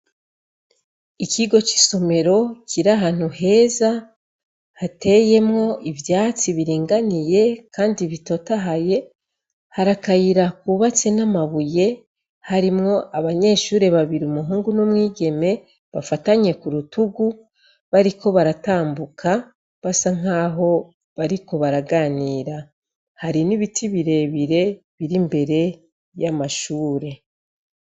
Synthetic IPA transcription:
ikiɡo̞t͡ʃi̥so̞me̞ɾo̞ciɾaɦaːn̥huhe̞ːza | hate̞je̞mŋo̞ivjaːt͡siβiɾiːŋɡanije̞kaːndiβito̞taɦaje̞ | haɾakajiɾakuβat͡se̞namaβuje̞ | haɾimŋo̞ʔaβaɲe̞ːʃuːɾe̞βaβiɾiumuɦuːŋɡunumŋiːɡe̞me̞ | βafataɲe̞kuɾutuɡu | βaɾiko̞βaɾataːmbukʰa | βasaŋ̥aːɦo̞ | βaɾiko̞βaɾaɡaːniːɾa | haɾiniβitʰiβiɾe̞βiɾe̞ | βiɾimbe̞ɾe̞ | jamaʃuːɾe̞

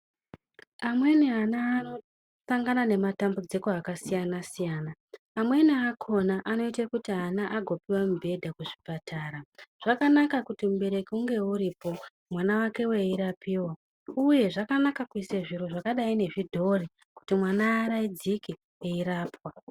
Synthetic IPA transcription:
amwe̞niɦanaːno̞ | saŋɡanane̞matambud͡ziko̞akasijanasijaːnaː | mwe̞niakʰo̞naʔano̞itakutiɦanaʔaɡʱo̞piwamubʱe̞dʱakuʐipatʰaːɾaʐ̥akanakakutimuɓe̞ɾe̞kiuŋɡe̞uɾiːpo̞ | mwanawake̞we̞iɾapʰiːwa | uje̞ʐakanakakuiseʐiɾo̞ʐakaɗaine̞ʐidʱo̞ri | ku̥timwanaːɾaid͡ziki | eiɾaːpwa

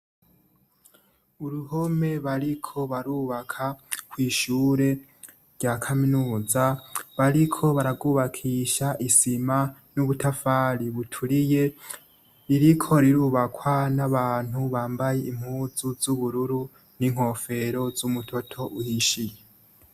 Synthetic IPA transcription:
uɾuho̞me̞βaɾikʰo̞βaɾuːβakʰakwiːʃuːɾe̞ | ɾɟakʰaminuːzaβaɾikʰo̞βaɾabɡuːβakʰiːʃaʔisimanuβutʰafaːɾiβutʰuɾije̞ | ɾiɾikʰo̞ɾiɾuːβakʰwanaβaːn̥huβaːmbaje̞ʔim̥huːzuzuβuɾuɾu | niŋ̥ho̞fe̞ɾo̞zumutʰo̞tʰo̞ʔuhiʃije

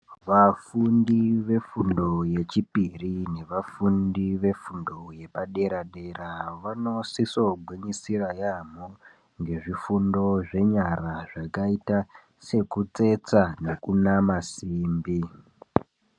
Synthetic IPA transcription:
ʋafundiʋe̞fundo̞je̞t͡ʃipirine̞ʋafundiʋe̞fundo̞je̞paɗe̞ɾaɗe̞ɾaʋano̞siso̞ɡʱwiɲisirajam̤o | ŋɡe̞ʐifundo̞ʐe̞ɲaɾaʐakaita | se̞kut͡se̞t͡sane̞kunamasiːmbi

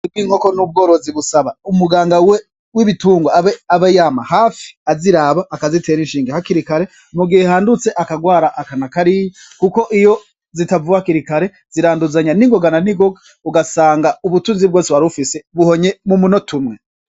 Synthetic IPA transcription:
nibɡwiːŋ̥o̞ko̞nub̚ɡo̞ːɾoziβusaβaumuɡaːŋɡawe | wiβituːŋɡaeaβejamahaːfi̥aziɾaβaʔːkazite̞ːɾinʃiːŋɡehakiɾikaɾe̞ | muɡihehaːndut͡se̞ʔakaɡwaːɾaʔakanakaɾiji | kuko̞ʔijo̞ | zitavuwakiɾikaɾe̞ | ziɾaːnduzaɲaniŋɡo̞ɡananiɡoɡa | uɡasaːŋɡauβutuːnzib̚ɡo̞ːseβaɾufise̞βuho̞ɲe̞mumuno̞tumŋe̞

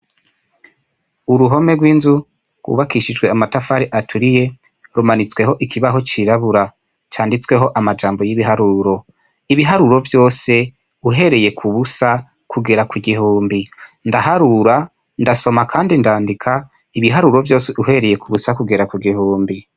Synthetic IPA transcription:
uɾuɦo̞me̞ɡwiːnzu | ɡ̥wṵβakiʃid͡ʒɡwe̞amatafaɾiʔatʰuɾije̞ | ɾumanit͡swe̞ɦo̞ʔikʰiβaɦo̞t͡ʃiɾaβuɾa | t͡ʃaːndit͡swe̞ɦo̞ʔamad͡ʒaːmbo̞jiβiɦaɾuɾo̞ | iβiɦaɾuɾo̞vjo̞ːse̞ | uɦe̞ɾe̞je̞kʰuβusa | kʰuɡeɾakwiɡiɦuːmbindaɦaɾuɾa | ndaso̞makʰaːndindaːndikʰa | iβiɦaɾuɾo̞vjo̞ːseʔuɦe̞ɾe̞je̞kuβusakuɡe̞ɾakuɡihuːmbi

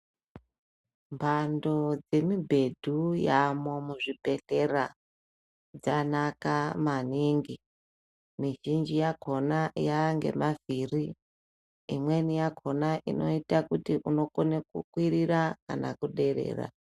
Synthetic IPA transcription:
mbʱando̞d͡ze̞mibʱe̞dʱujamomuʐibʱe̞ɬera | d͡zanakamaniːŋɡi | miʒind͡ʒijakʰo̞najaŋɡe̞̰maviri | imwe̞nijakʰo̞naʔino̞itakutiʔuno̞konekukwiɾiɾaka̰na̰kuɗe̞ɾe̞̰ːra̰

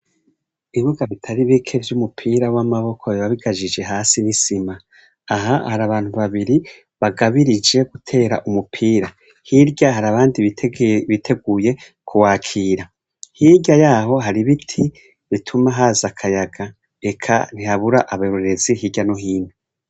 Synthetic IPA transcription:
iβuɡaβitʰaɾiβikʰe̞vjumupʰiːɾawamaβo̞kʰoβiβaβiɡad͡ʒid͡ʒe̞ɦaːsinisimaː | ɦahaɾaβaːn̥huβaβiɾi | βaɡaβiɾid͡ʒe̞ɡ̥utʰe̞ːɾa̰ʔumupʰiːɾa | hiɾɟahaɾaβaːndiβitʰe̞ɡuːje̞ | kʰuwaːkʰiːɾa | hiɾɟajaːɦo̞ɦaɾiβitʰi | βitʰumaɦaːzakʰajaɡa | e̞kʰa̰n̥ihaβuɾaʔaβaɾoɾe̞ziɦiːɟanoɦiːne

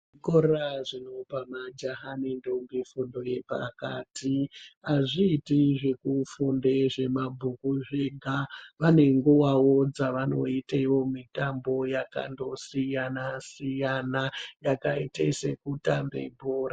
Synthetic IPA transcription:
koɾaʐino̞pamad͡ʒaɦanindomɡifundo̞je̞pa̰ka̰ːtʰiɦaʐiːtiʐe̞kufunde̞ʐe̞mabʱukuʐeɡʱaʋane̞ŋɡuwawod͡zaʋano̞̰itaiʋo̞mitambo̞jaka̰ndo̞sijanasijanajakaitḛse̞̰kutambḛmbʱoːɾa

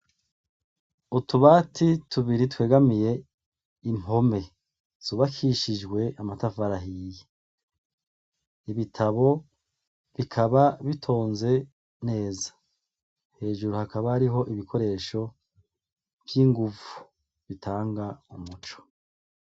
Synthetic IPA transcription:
utuβaːtʰitʰuβiɾitwe̞ːɡamije̞ | im̥ho̞me̞ | z̥uβakʰiʃid͡ʒɡwe̞ʔamatavaɾaɦije | iβitʰaβo̞ | βikʰaβaβitʰo̞ːnze̞ | ne̞ːzḁ | he̞ːʒuɾuhakaβaːɾiɦo̞ʔiβikʰo̞ɾe̞ːʃo̞ | vjiŋɡuvu̥ | βitʰaːŋɡaumut͡ʃo̥

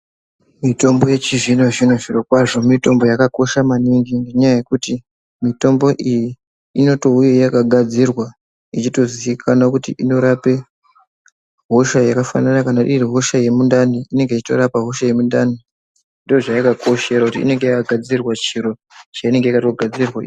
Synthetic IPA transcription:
mito̞mbo̞je̞t͡ʃiʐinoʐino̞ʐirokwaʐo̞mito̞mbo̞jakako̞ʃamaniŋɡiŋɡe̞ɲajaje̞kuti | mito̞mbo̞ʔiji | ino̞to̞uje̞jakaɡʱad͡zirwa | it͡ʃito̞ziikʰanakutḭʔino̞ɾape̞ | ɦo̞ʃajakafa̰nanakanaɗiriɦo̞ʃaje̞mundaniine̞ŋɡe̞it͡ʃito̞̰ɾapaɦo̞ʃaje̞mundani | ndooʐajakakʰo̞ʃe̞ɾakutiḭne̞ŋɡe̞jakaɡʱad͡zirwat͡ʃiɾo̞ | t͡ʃaine̞ŋɡeikato̞ɡʱad͡zirwa

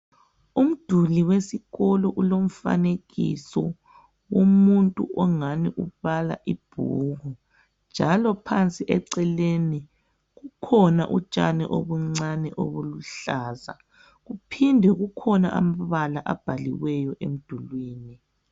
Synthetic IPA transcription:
um̩d̥ʱuliwesiɣɔlɔʔulom̩fa̰neɣḭsɔ | womuntʼuʔɔŋaniʔuβala̰ʔib̥ʱṵːɣu | nnd͡ʒʱalɔpʰant͡sʼiʔɛǀɛleni | ɣukʰɔna̰ʔut͡ʃʼanɛʔo̰βuŋ͡ǀanɛʔo̰βuluɬaːza̰ | ɣupʰindʱɛɣukʰɔna̰ʔa̰maβalaʔab̥ʱalḭwɛjɔʔem̩d̥ʱulwiːni

